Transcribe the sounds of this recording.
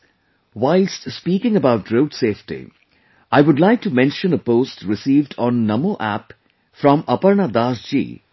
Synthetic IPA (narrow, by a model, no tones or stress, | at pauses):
waɪlstspiːkɪ̃ŋəbaʊʈɾoʊdseːfʈḭ | aɪʋʊɖlaɪk̚ʈumɛ̃nʃə̃nəpoːsʈɾɪsiːvɖɔ̃nːʌmoʔæ̰p | fɾɔ̃mʌpəɾnad̪aːsd͡ʒḭː